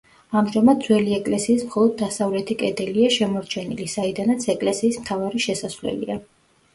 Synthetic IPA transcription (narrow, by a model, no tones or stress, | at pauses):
amʒamad̪d̪zwɛliɛkʼlɛsiːsmχɔlˠɔd̪̚ːasavlɛt̪ʰikʼɛd̪ɛliaʃɛmɔɾt͡ʃʰɛnḭlisaid̪anat̪sʰɛkʼlɛsiːsmt̪ʰavaɾiʃɛsasvlɛ̰lḭa